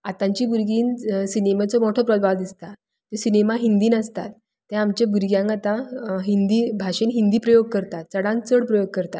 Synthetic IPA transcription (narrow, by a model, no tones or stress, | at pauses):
at̪ãɲt͡ɕiːbuɾɡiːnsinemat͡sɔmoʈʰɔpɾɔd̪bʱaʋd̪ist̪a | t̪esinemaɦind̪iːnəst̪a̰t̪ː | jãamt͡ɕjabuɾɡjãŋkat̪ãɦind̪iːbʱaʂenɦind̪iːpɾəjoɡ̚kəɾt̪at̪̚t͡səɽãnt͡səɽpɾəjoɡ̚kəɾt̪at̪